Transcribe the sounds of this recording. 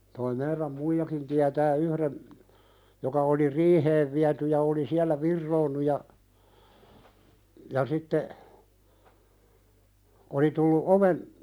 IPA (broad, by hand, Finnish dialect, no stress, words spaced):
toi meiræm muijɑkin tiætæː yhɾen jokɑ oli riːheːʋ ʋiæty jɑ oli siælˑæ ʋirːoːnːu jɑ jɑ sitːe oli tulːu oʋen